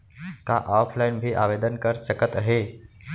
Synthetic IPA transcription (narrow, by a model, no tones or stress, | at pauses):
ka̰ʔɔpʰlajnbʱiːʔaʋed̪ənkəɾt͡ɕəkət̪əɦe